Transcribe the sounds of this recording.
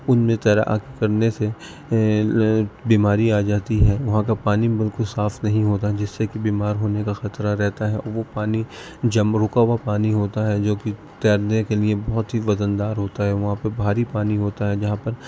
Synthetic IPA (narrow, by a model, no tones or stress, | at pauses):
ʊnmẽt̪ɛːɾa̰ʔa̰ːkekɐɾnese | biːmaːɾiaːd͡ʒaːt̪iɦɛːʋɐɦãkapaːnimbɪlkʊlsaːfnɐɦĩɦoːt̪aɦɛd͡ʒɪsːekibiːmaːɾɦoːnekaxɐt̪ɾaɾɛɦt̪aɦɛʔɔ̰ːɾʋopaːni | d͡ʒɐmɾʊkaːʋapaːniɦoːt̪aɦɛd͡ʒoːki | t̪ɛːɾd̪ẽkeliebɐɦʊt̪ɦiʋɐd̪ənd̪aːɾɦoːt̪aɦɛʋɐɦãpɐɾbʱaːɾipaːniɦoːt̪aɦɛd͡ʒɐɦãpɐɾ